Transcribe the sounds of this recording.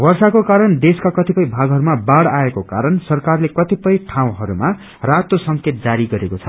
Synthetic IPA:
wʌrsakokaɾʌnd̪eskakʌt̪ipʌjbʱaɡɦʌɾumabaɽaekoka̰ɾʌnsʌrkarlekʌt̪ipʌjʈʰãw̃ɦʌɾuma | rat̪osʌŋket̪̚d͡zaɾiɡʌɾekot͡sʰʌ

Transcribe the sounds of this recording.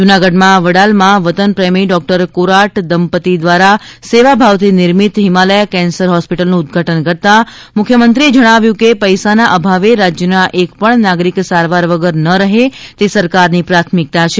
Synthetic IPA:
d͡ʒunaɡəɖmãʋəɽalmãʋət̪ənpɾəmiɖɔk̚ʈəɾkoɾaʈd̪əmpət̪id̪ʋaɾaseʋabʱaʋt̪ʰinɪɾmit̪ɦimaləjkɛ̃nsəɾɦɔspiʈəlnũʊd̪ɡʱaʈənkəɾt̪amʊkʰjəmənt̪ɾied͡ʒəɽ̃aʋjũkepəjsanaʔəbʱaʋeɾad͡ʒjənaʔekpəɳnaɡɾiksaɾʋaɾʋəɡəɾnəɾəɦet̪esəɾkaɾnipɾat̪ʰmik̚t̪at͡ʃʰe

